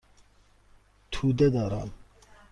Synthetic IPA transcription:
t̪ʰud̪ɛd̪aɾɑ̰n

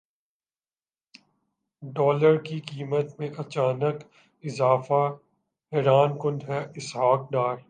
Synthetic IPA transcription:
ɖɔːləɾkikiːmət̪mẽʔɐt͡ʃaːnək | ɪzaːfa | ɦɛɾaːnkʊ̃nd̪ɦɛʔɪsɦaːk̚ɖaːɾ

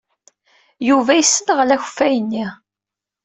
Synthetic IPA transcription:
juvæjəsːənʁlæçfæjənːi

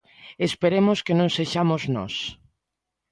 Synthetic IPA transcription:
espeɾemʊskenõŋseʃamoznɔ̰s

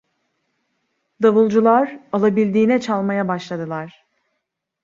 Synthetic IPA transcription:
d̪avɯlˠd͡ʒulˠaɾalˠabilʲd̪iːnɛt͡ʃʰalˠmajabaʃlˠad̪ɯlˠaɾ̥

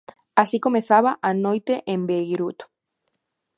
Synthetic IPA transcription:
asikomeθaβaʔanojt̪eʔembejɾut̪

